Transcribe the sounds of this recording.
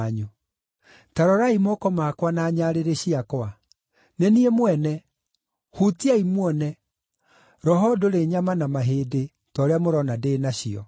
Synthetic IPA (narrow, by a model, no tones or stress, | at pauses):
ɲu | taɾɔɾaimɔkɔmakwanaːɲaɾeɾeɕiakwa | neniemwɛnɛ | hutiaimwɔnɛ | ɾɔɦɔdoɾeɲamanamaɦeːde | tɔɾeamoɾɔnadeːnaɕiɔ̰